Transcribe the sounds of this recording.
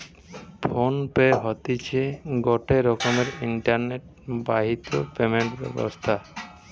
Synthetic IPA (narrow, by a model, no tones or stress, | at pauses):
pʰonpeeɦɔt̪it͡ɕʰeɡɔʈeɾɔkomeɾiɳʈaɾneʈ̚ | baɦit̪o̰pemeɳʈbɛ̰bo̰st̪ʰa